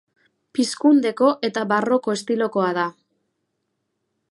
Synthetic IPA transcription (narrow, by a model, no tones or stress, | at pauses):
piskund̪e̞ko̞ʔe̞t̪aβaro̞ko̞est̪ilo̞ko̞að̞a